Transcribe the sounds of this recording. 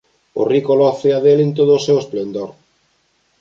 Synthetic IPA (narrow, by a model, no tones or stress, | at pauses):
ʊ̰rikolɔθeaðelent̪oð̞ʊːsewesplend̪oɾ